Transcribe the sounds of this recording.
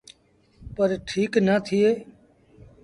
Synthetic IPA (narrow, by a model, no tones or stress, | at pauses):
pəɾʈʰiːknəːt̪ʰɪeː